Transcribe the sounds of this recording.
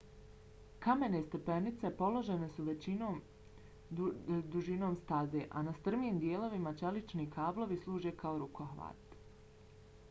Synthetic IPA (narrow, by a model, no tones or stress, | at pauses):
kame̞ne̞st̪e̞penit̪se̞po̞lˠo̞ʒe̞ne̞suʋe̞t͡ɕino̞ːm | d̪uʒino̞ːmst̪aze̞ʔa̰nast̪r̩miːmd̪je̞ːlˠo̞ʋimat͡ʃe̞lit͡ʃnikʰaːblo̞ʋislˠuːʒe̞kaoɾukoɦʋa̰ːt̪